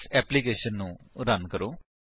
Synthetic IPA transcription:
ɛːpliːkeːʃənːũːɾənkəɾoː

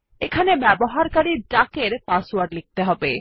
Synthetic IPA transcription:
ekʰanebɛboɦaɾkaɾiʈakeɾpaswaɾɖlik̚t̪eɦɔbe

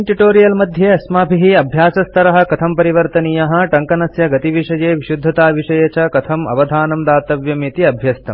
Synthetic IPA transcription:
ʈuʈoːɾijɐlmɐd̪ʱjeɐsmaːbʱiɦiɐbʱjaːsɐst̪ʰɐɾɐɦɐ̆kɐt̪ʰɐmpɐɾiʋɐɾt̪ɐnijɐɦɐ̆ʈɐŋkɐnɐsjɐɡɐt̪iʋiʂɐjeːʋiʃud̪ʱːɐt̪aːʋiʂɐjɐt͡ʃɐkɐt̪ʰɐmɐ̰ʋɐd̪ʱaːnɐmd̪aːt̪ɐʋjɐmit̪iɐbʱjɐst̪ɐ̰m

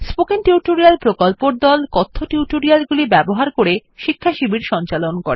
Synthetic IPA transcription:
spokenʈiuʈoɾialpɾokolpoɾd̪ɔlkɔt̪ʰːoʈiuʈoɾialɡulibɛboɦaɾkoɾeʃikʰːaʃibiɾʃɔnt͡ɕalonkoɾe

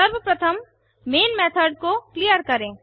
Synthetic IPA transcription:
əɾbəpɾɐt̪ʰəmː | eːnmeːt̪ʰəɖ̚koklijəɾkɐɾẽː

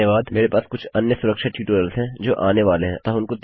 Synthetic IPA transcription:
jəʋaːd̪meːɾepaːskʊt͡ʃʰɐnjəsʊɾəkʃaʈjuːʈoːɾjəlzɦɛ̃d͡ʒoːʔaːneʋaːleɦɛ̰̃t̪ɐɦʊnkot̪

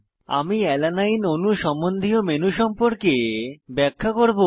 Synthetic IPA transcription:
a̰miɛlanajnonuʃɔmond̪ʱiomenuʃɔmpoɾkebɛkʰːakoɾbo

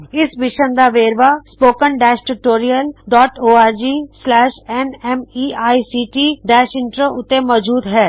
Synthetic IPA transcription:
ɪsʋɪʃənd̪aːʋeːɾʋaːspoːkənɖɛːʃʈuʈoːɾiəlɖɔːʈoːaːɾd͡ʒiːslɛːʃɛːnɛːmiːaːisiːʈiːɖɛːʃɪ̃ɳʈɾəʊt̪ːemɔːd͡ʒuːd̪ɦɛː

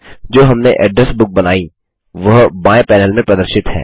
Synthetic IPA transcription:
d͡ʒoːɦɐmneʔɛːɖɾəsbʊk̚bɐnaːi | ʋɐɦbãːẽpɛːnəlmẽpɾɐd̪əɾʃɪt̪ɦɛ̰ː

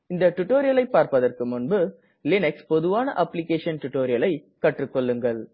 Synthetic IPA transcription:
ɪnd̪ɐʈʊʈːoːɾɪjɐlɐɪpːaːɾpɐðɐrkɯmʊnbɯ | lɪnɛkspɔðɯʋaːnɐʔɐpːlɪkeːʂɐnʈʊʈːoːɾɪjɐlɐɪ | kɐʈrɯkːɔɭːɯŋɡɐɭ

